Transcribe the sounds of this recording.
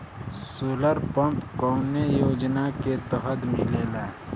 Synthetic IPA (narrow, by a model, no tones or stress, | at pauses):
suːləɾpə̃mpkɔːnəjoːd͡ʒnaket̪əɦəd̪mɪlelaː